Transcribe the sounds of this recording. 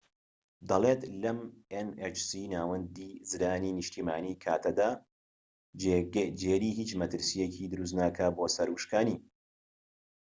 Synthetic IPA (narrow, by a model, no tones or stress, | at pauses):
d̪ɐlˠet̪lɐmenet͡ʃsinaːwɐnd̪iːzɨɾaːniːnɨʃt̪ʰiːmaːniːkʰaːt̪ʰɐd̪aː | d͡ʒeːɾiːhiːt͡ʃmɐt̪ɨɾsijecid̪ɨɾuːs̬t̪naːkʰaboːsɐɾuʃkaːni